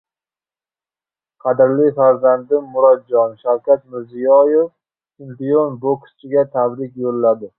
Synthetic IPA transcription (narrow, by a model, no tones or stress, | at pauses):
qʰɑd̪ɪɾlɪfaɾzand̪ɪmːʊɾɒd̪̚d͡ʒɒnʃawkʲat̪mɪɾzijɒjef | ʃɪmpijonbokst͡ʃʰɪɡʲat̪ʰabɾɪkʲjolːad̪ɪ